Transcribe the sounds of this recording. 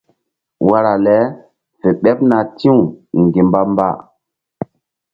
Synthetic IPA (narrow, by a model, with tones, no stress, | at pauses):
wa˦ɾa˨lɛ˨˦ | fe˨ɓɛ˦p̚na˨tĩ˦u˨ŋ˨ɡi˨mba˦mba̰˦˨